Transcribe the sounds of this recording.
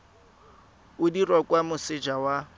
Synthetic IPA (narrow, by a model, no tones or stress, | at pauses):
ʊdirɔkʼwamʊsɪd͡ʒawa